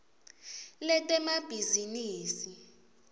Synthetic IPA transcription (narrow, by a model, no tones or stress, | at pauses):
lɛtʼɛmab̥ʱiziniːsi